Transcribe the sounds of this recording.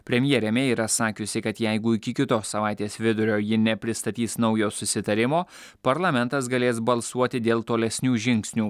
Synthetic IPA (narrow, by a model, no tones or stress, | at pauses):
pʲɾʲɛmʲjɛːɾʲɛmʲeːiːɾɐsɑːkʲʊsʲɪkɐt̪jɛɪɡʊɪkʲɪkʲɪt̪oːsːɐʋɑˑɪt̪ʲeːsʋʲɪd̪ʊɾʲoːjɪnʲɛpʲɾʲɪst̪ɐt̪ʲiːsnɒʊjoːsʊsʲɪt̪ɐɾʲɪmoːpɐɾlˠɐmʲɛnt̪ɐsɡɐlʲeːsbɐlˠsuɔt̪ʲɪd̪ʲeːlˠt̪oːlʲɛsʲnʲuːʒʲɪŋʲksʲnʲuː